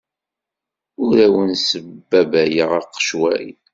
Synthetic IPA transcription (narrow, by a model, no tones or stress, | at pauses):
ʊɾæwənsəbːæbæjəʁɑqːʃwæjn